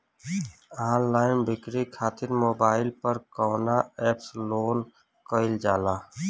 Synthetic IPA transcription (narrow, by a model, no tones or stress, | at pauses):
aːnlaːɪnbɪkɾikʰaːt̪ɪɾmoːbaːɪlpəɾkɔːnaɛːpsloːn | kəɪld͡ʒaːlaː